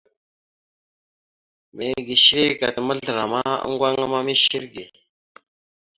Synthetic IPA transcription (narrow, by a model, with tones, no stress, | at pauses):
me˨ɡi˨ʃɾe˦ka̰˨t̪mə˦ɮɾa˨ma˦ə̰˦ŋɡʷa˦ŋa˦ma˦mi˦ʃi˦ɾɡe˨